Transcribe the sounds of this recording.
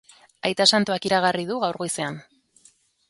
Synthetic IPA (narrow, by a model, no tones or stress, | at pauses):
ajt̪asant̪uakiɾaɣ̞ariðuɣawɾɣojsean